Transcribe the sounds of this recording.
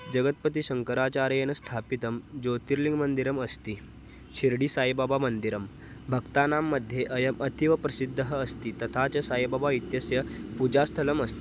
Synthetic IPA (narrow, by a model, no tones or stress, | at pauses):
d͡ʑəɡət̪̚pət̪̬isəŋkəɾat͡ɕaɾjenɐst̪ʰapit̪əmd͡ʑot̪iɾliŋɡmənd̪iɾəməst̪i | ɕiɾɽiːsajbabamənd̪iɾəm | bʱəkt̪anamːəd̪ʱjeʔəjəmʔət̪ʰiʋəpɾɐsid̪ʱːəɦəːst̪it̪ɐt̪ʰat͡səsajbabait̪jəsjəpud͡ʑast̪ʰələməst̪i